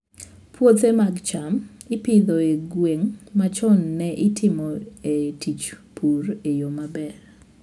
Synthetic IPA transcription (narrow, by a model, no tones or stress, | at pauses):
pʰwot̪emaɡt͡ʃamɪpɪd̪ɔeɡweŋmat͡ʃɔnːɛʔɪtʰɪmɔetʰit͡ʃpʰurejomabɛr